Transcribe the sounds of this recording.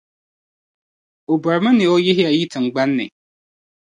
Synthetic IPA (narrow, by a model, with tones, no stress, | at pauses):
o˨ba˨ɾmɪ˦nɪ̃˨ɔ˦jɪ˦ɦɪ˦a˨ji˦tʰɪ˨ŋ˨ɡ͡ba˦nːɪ̰˨